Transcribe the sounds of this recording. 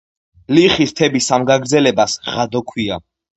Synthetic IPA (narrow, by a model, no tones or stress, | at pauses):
liχist̪ʰɛbisamɡaɡɾd̪zɛlɛbasʁad̪ɔkʰwia̰